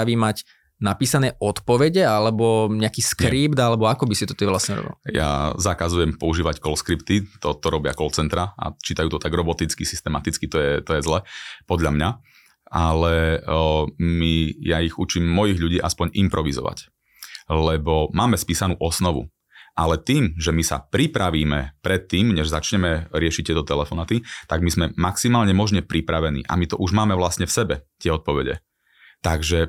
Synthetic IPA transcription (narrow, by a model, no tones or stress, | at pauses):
aʋimac | napiːsanɛːʔɔt̪pɔʋɛɟɛalɛbɔɲɛakiːskɛɾiːpd̪alɛbɔakɔbisit̪ɔt̪iʋlasɲɛɾɔ̰bḭlja̰zakazujɛmpɔuʒiːʋackɔlskɾipt̪it̪ɔt̪ɔɾɔbɪa̰kɔlt͡sɛnt̪ɾaa̰t͡ʃiːt̪ajuːt̪ɔt̪aɡɾɔbɔt̪it͡skisi̥st̪ɛmat̪it͡skit̪ɔjɛt̪ɔjɛzlɛpɔd̪ʎamɲa | ʔalɛ | mijaiɣut͡ʃiːmːɔjiɣʎuɟiːʔaspɔɲimpɾɔʋizɔ̰ʋa̰c | lɛbɔmaːmɛspiːsanuːʔɔsnɔʋṵ | ʔalɛt̪iːmʒɛmisa̰pɾipɾaʋiːmɛpɾɛt̪ːiːmɲɛʒzat͡ʃɲɛmɛɾɪɛʃic̚t̪ːɪɛt̪ɔt̪ɛlɛfɔnaːt̪it̪aɡmizmɛmaksimaːlɲɛmɔʒɲɛpɾipɾaʋɛnḭːʔa̰mit̪ɔʔuʒmaːmɛʋlasɲɛfsɛbɛt̪ɪɛɔt̪̚pɔʋɛɟɛ̰ | t̪aɡʒɛ